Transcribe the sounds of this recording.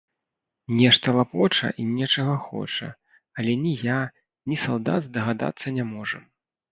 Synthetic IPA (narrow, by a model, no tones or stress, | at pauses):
nʲɛʂt̪ɐlˠapɔt͡ʂɐ̰ʔinʲɛt͡ʂɐɣɐxɔ̰t͡ʂɐ̰ | ɐlʲɛnʲija | nʲisalˠd̪a̰d̪zd̪ɐɣad̪a̰t̪sːɐnʲamɔʐɐ